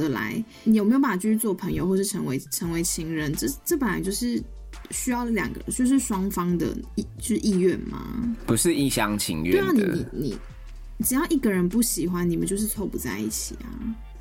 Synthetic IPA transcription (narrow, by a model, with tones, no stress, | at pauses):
ə˧˦la̰˧˥ɪ | ni˨˩jme˥jo˧˥ba˨˩t͡ɕy˥˩y˥˧t͡swɔ˥˩pʰə˧˦ŋjo˧ʊxwʂɻ̩˥˩ʈ͡ʂʰə˧˥ŋwe˧˥ɪʈ͡ʂʰə˧˥ŋwe˧˥ɪt͡ɕʰi˥ŋɻə˧˦nʈ͡ʂə˥˧ʈ͡ʂə˥˩pə˨˩nla̰˨˦t͡ɕjo˥˧ʊʂɻ̩˥˩ | ɕy˥jɑ˥˩ʊljɑ̰˨˩ŋɡə̰˧˦˩t͡ɕjo˥˧ʊʂɻ̩˥˧ʂwɑ˥ŋfɑ˥ŋd̪ə̰˨˩i˥˩t͡ɕo˥˧˥ʂɻ̩˥˧ʔi˥˧ɥɛ˥˩nma̰˩pu˨˦ʂɻ̩˥˧i˥˩ɕɑ˦˧ŋt͡ɕʰḭ˧˥ŋɥɛta˨˩ni˨˦nḭ˨˩nḭ˨˩ | ʈ͡ʂɻ̩˨˩jɑ˥˧ʊʔi˥˩ɡə˨ɻə˧˦npu˥˩ɕi˨˩xwa˦ni˨˩mə˨˦t͡ɕjo˥˧ʊʂ̬ɻ̩˥˧t͡sʰo˥˧ʊpu˨˥t͡sa̰˥˧ɪḭ˥˩t͡ɕʰḭ˨˩ɐ̰˩